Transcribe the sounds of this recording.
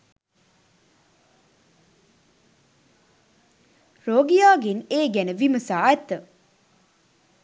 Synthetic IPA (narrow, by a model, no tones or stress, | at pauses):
ɾoːɡijaːɡeneːɡænəʋiməsaːɛt̪ə